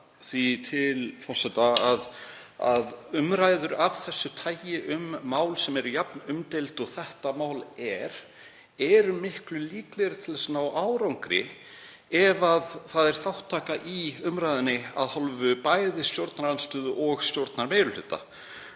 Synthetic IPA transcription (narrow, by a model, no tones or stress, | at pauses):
θit̪ʰɪlfɔr̥sɛt̪aað | a̰ðʏmɾajðʏɾav̥θɛsːʏt̪ʰaːjɪʔʏmːaːwlsɛmɛɾjapnʏmt̪ejlt̪ɔɣθɛht̪amaːwlɛɾ̥ | ɛɾʏmɪhklʏliːklɛɣɾɪ̥t̪ʰɪlvɛsnaːwʔaːwɾawŋkɾɪ̰ | ɛvaðθaðɛɾ̥θawht̪ʰːaːkaʔiʏmɾajðʏnːɪa̰ðhɔlvʏpajðɪst̪jowɾt̪naɾanst̪ʏːðʏʔɔɣst̪jowɾt̪naɾmejɾʏl̥ʏ̰ːt̪a̰